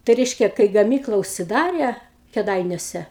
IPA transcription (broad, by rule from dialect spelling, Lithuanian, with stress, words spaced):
tɐɪ ˈrʲɛɪʃʲkʲɛ kɐɪ ɡɐˈmʲiːklˠɐ ʊʃʲsʲɪˈdɑːrʲɛ kʲɛˈdɐɪnʲuɔsʲɛ